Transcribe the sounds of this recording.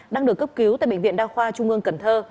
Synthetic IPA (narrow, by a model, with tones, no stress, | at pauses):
ɗaː˧ŋɗɨ˨˩əkːə˦˥p̚ki˨˦wt̪a̰ː˧˨ɓ̰ŋvḭ˧˨ənɗaː˧xwaː˧t͡ɕʊ˧ŋ͡mʔɨ˧əŋkə˧˩nt̪ʰəː˧